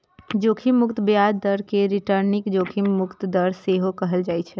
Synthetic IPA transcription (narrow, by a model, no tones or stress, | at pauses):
d͡ʒoːkʰimmːʊkt̪bjad̪əɾkeɾiʈəɾnɪkd͡ʒoːkʰimmːʊkt̪d̪əɾseɦokəɦəld͡ʒaːjt͡ʃʰɛ